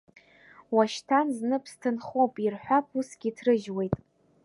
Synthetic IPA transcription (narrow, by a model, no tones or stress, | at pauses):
waʃtʰanznɨpʰstʰɨnχowpʼirħʷᶣapʰusɡʲitʰrɨʒwe̞jtʼ